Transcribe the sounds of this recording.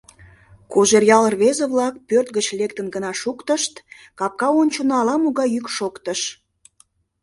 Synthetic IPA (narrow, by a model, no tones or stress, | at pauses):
kuʒerjɑlərβezeβlɑk̚pørt̪̚ɣət͡ɕlek̚t̪ənɡənɑʃukt̪əʃt̪ | kɑp̚kɑonʲt͡ɕonɑlɑmuɣɑjykʃokt̪əʃ